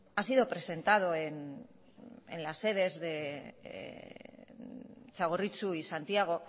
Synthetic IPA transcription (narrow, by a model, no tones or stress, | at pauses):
asiðopɾe̞se̞nt̪að̞o̞en | ḛnlasːe̞ð̞e̞zðe | t͡ʃaɣ̞orit͡suisant̪iaɣ̞o̞